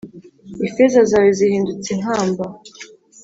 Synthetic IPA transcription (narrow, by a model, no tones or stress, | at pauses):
ifezazaːwezihiːndut͡sen̥haːmba